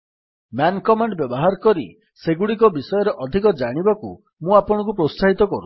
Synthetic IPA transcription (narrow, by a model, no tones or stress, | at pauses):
mankɔmaɳɖbjɔbɔɦaɾɔkɔɾḭ | seɡuɽik̬ɔbisɔjɔɾeʔɔd̪ʱikɔd͡ʒaɽ̃ibakṵ | mũapɔɽ̃ɔ̃kupɾost̪aɦit̪ɔkɔɾṵ